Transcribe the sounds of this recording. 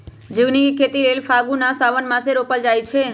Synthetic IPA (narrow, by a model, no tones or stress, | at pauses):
d͡ʒəɡnikʰet̪ilelfʰaɡunasaʋənmãseɾopəld͡ʒajt͡ʃʰe